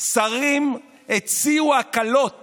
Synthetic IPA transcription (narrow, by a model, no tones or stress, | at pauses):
saʁim | et͡siuakalo̞t̚